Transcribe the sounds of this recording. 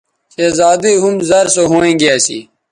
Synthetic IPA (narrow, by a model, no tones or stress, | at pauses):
seːzaːd̪iɦumzɐɾsoɦoːẽːɡijaːsḭː